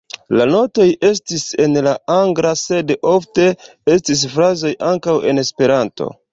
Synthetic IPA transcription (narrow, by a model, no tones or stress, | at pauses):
lano̞to̞je̞stise̞nlaaŋɡɾase̞do̞fte̞ | e̞s̬tis̬fɾazo̞jʔaŋkawe̞̰ne̞spe̞ɾanto̞̰